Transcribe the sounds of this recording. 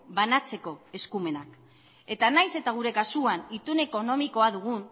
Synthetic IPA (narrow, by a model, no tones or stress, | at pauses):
banat͡se̞ko̞e̞skume̞nak | e̞t̪anajse̞t̪aɣ̞uɾe̞kasuanit̪une̞ko̞no̞miko̞aðuɣ̞un